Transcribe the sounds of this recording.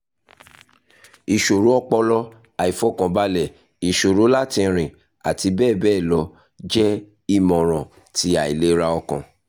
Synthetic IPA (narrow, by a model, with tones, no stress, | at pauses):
i˨ʃo˨ɾu˨˦ɔ˦k͡pɔ˧lɔ˧ | a˨i˨fɔ˦˨kã˨ba˧˦lɛ˦˨ | i˨ʃo˨ɾu˨˦la˦˨tĩ˧ɾ̃ĩ˨ | a̰˨ti˧bɛː˦˨bɛː˦˨lɔ˧ | d͡ʒɛ˦ | i˦˨mɔ̃˨ɾ̃ɔ̃˨ | ti˧˦a˨i˨le˨˦ɾa˧ɔ˧kã̰˨